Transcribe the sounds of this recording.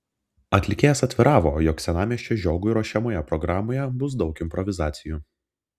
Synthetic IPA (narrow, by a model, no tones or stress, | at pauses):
ɐt̪ʲlʲɪkʲeːjɛsɐt̪ʲʋʲɪɾɑːʋoːjɔksʲɛnɑːmʲiɛʃʲt͡ʃʲeʒʲoːɡʊɪɾoːʃʲɛmoːjɛpɾɔɡɾɑːmoːjɛbʊs̬d̪ɒʊkɪmʲpɾɔʋʲɪzɑːt̪sʲɪjuː